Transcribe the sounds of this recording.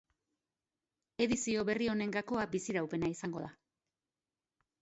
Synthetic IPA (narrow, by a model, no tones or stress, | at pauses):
e̞ðisio̞βe̞rio̞ne̞ŋɡako̞abisiɾawpe̞naisaŋɡo̞ða